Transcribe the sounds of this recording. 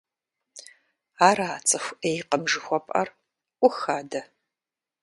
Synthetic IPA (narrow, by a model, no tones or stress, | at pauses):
aːɾaːt͡sʼɨxʷʔeːjqəmʒɨxʷɔpʼʔɐ̰r | ʔʷʊxaːdɐ